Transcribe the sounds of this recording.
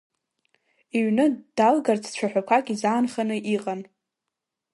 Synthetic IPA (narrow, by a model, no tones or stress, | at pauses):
iɥnɨd̥alɡart͡sʰt͡ɕʷʰaħʷᶣakʷʰakʲʼizaːnχanɨʔiqʼan